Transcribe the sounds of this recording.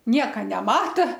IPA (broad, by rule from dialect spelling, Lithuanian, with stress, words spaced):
ˈnʲiɛkɐ nʲɛˈmɑːtɐ